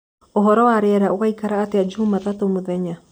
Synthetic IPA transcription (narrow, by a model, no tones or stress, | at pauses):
oɦɔɾɔwaɾɛːɾaoɣaikaɾaːtead͡ʒumaðatomoðɛɲa